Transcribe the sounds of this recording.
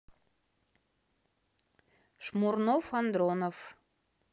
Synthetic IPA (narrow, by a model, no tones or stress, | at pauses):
ʃmurnofɑnd̪ɾonof